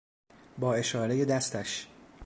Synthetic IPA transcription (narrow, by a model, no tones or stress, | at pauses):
bɒːe̞ʃɒːɾejed̪æst̪æʃ